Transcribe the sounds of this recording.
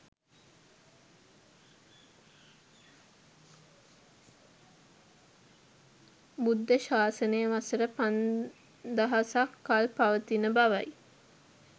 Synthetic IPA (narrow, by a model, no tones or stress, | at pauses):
bud̪ːəʃaːsənəjəʋasəɾəpan | d̪əɦasakːalpaʋət̪inəbaʋa̰j